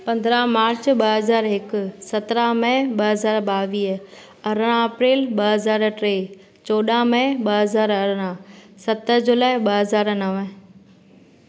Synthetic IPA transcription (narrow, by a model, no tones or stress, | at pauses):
pɐ̃nd̪ɾamaːɾt͡ɕɓɐɦɐzaːɾɦɪkʊsɐt̪ɾaɦmə̃ɓɐɦɐzaːɾɓaːʋiːɦ | ɐɾəɽ̃ãɐpɾeːlɓɐɦɐzaːɾʈɾeː | t͡ɕoːɗamə̃ɓɐɦɐzaːɾɐɾɽ̃ãsɐt̪əd͡ʑoːlaːɪɓɐɦɐzaːɾnɐʋ